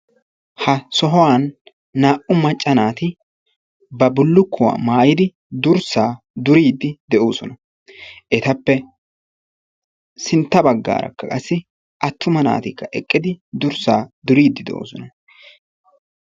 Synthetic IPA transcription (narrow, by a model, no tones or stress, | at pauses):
hɐsɔɦɔwaːnː | aːʔʊmɐt͡ʃʼːɐnaːt̪ɪ | bɐbʊlːʊkːʊwa̰ːmaːjɪd̪ɪ | d̪ʊɾsaː | d̪ʊɾiːd̪ːɪd̪ɛʔoːsɔnɐ | ʔɛt̪ɐpːɛ | sɪnt̪ːɐbɐɡːa̰ːɾɐ̰kːɐkʼɐsːɪ | ʔɐt̪ːʊmɐna̰ːt̪ɪkːɐʔɛkʼːɪd̪ɪd̪ʊɾsaːd̪ʊɾiːd̪ːɪd̪ɛ̰ʔo̰ːsɔnɐ